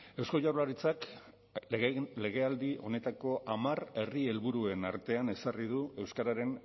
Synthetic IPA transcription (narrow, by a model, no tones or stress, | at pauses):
e̞wsko̞ʝawɾlaɾit͡sak | le̞ɣe̞ald̪iʔo̞̰ne̞t̪ako̞ʔamare̞rie̞lβuɾue̞na̰ɾt̪e̞ane̞sarið̞ue̞wskaɾaɾe̞n